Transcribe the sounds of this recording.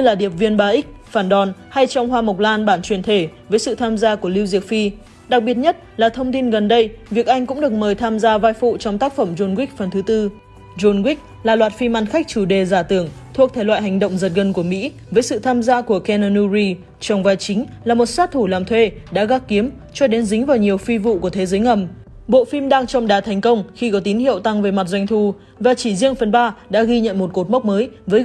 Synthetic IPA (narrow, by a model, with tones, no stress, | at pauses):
ɲɨ˧laː˨˩ɗi˨˩əp̚vi˧ənɓaː˧ʔi˦˥k̚faː˧˩nɗɔ˧˩nha˧jt͡ɕɔ˧wŋ͡mhwaː˧mə˨˩wk͡p̚laː˧nɓaː˧˩nt͡ɕwi˨˩ənt̪ʰe˧˩vəː˨˦jsɨ̰˧˨t̪ʰaː˧mzaː˧ku˧˩əli˧wzi˨˩ək̚fi˧ | ɗa˨˩k̚ɓi˨˩ət̚ɲə˦˥t̚laː˨˩t̪ʰə˧wŋ͡mt̪i˧nɣə˨˩nɗə˧jvi˨˩ək̚ʔa˧jŋ̟kʊ̰˧˥ŋ͡mɗɨ˨˩ək̚məː˨˩jt̪ʰaː˧mzaː˧vaː˧jfṵ˧˨t͡ɕɔ˧wŋ͡mt̪aː˦˥k̚fə˧˩mzo˧nwi˦˥k̚fə˨˩nt̪ʰɨ˨˦t̪ɨ˧ | zo˧nɣwi˦˥k̚ | laː˨˩lwaː˨˩t̚fi˧maː˧nxa˦˥jk̚t͡ɕu˧˩ɗe˨˩zaː˧˩t̪ɨ˧˩əŋt̪ʰu˧˩ək̚t̪ʰe˧˩lwa̰ː˧˨jɦa˨˩ŋ̟ɗə̰˧˨wŋ͡mzə˨˩t̚ɣə˨˧˩nku˧˩əmḭ˧˥ | vəː˨˦jsɨ̰˧˨t̪ʰaː˧mzaː˧ku˧˩əkɛ˧nə˧nu˧zi˧ | t͡ɕɔ˧wŋ͡mvaː˨˩jt͡ɕï˨˦ŋ̟laː˨˩mo˨˩t̚saː˦˥t̚t̪ʰu˧˩laː˨˩mt̪ʰwe˧ | ɗa̰ː˧˥ɣaː˨˦˥k̚kːi˨˦əm | t͡ɕɔ˧ɗe˨˦nzï˨˦ŋ̟vaː˨˩wɲi˨˩əwfi˧vṵ˧˨ku˧˩ət̪e˨˦zəː˨˦jŋə˨˩m | ɓo̰˧˨fi˧mɗaː˧ŋt͡ɕɔ˧wŋ͡mɗaː˨˩t̪ʰɛ˨˩jŋ̟kə˧wŋ͡mxi˧kɔ˨˦t̪i˨˦nhḭ˧˨əwt̪a˧ŋve˨˩˦ma˨˩t̚zwa˧jŋt̪ʰu˧˩ | vaː˨˩t͡ɕi˧˩zi˧əŋfə˨˩nɓaː˧ɗa̰ː˧˥ɣi˧ɲə̰˧˨nmo˨˩t̚ko˨˩t̚mə˦˥wk͡p̚məː˨˦jvəː˨˦j